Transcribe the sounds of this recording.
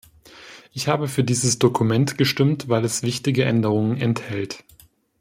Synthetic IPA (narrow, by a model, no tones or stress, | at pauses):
ʔɪçhaːbəfyːɐdiːzəsd̥okʰumɛntɡ̥əʃtɪmtvaɪlɛsv̥ɪçtɪɡəʔɛndəʁ̞ʊŋənɛnthɛlt